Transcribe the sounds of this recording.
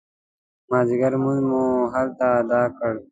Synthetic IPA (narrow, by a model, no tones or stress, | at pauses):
maːziɡəɾmunmũɦalt̪aːd̪aːkəɽ